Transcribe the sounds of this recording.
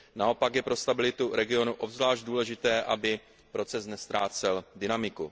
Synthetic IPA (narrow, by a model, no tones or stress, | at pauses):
nao̞pakjɛpɾo̞st̪abɪlɪt̪uɾɛɡɪo̞nuʔo̞bzvlaːʒd̚duːlɛʒɪt̪ɛːʔabɪ | pɾo̞t͡sɛsnɛst̪ɾaːt͡sɛldɪnamɪku